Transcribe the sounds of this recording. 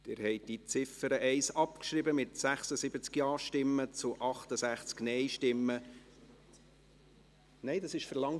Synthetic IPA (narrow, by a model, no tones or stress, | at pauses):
d̥ɪɾhɛɪd̥it͡sɪfəɾəʔɛɪsɑpkʃɾibəmɪtsæχsəsɪbət͡skjɑːʃtɪmːət͡sʊʔɑχt̪əsæχt͡sknɛɪʃtɪmːə | nɛɪdɑsɪʃfəɾlɑŋ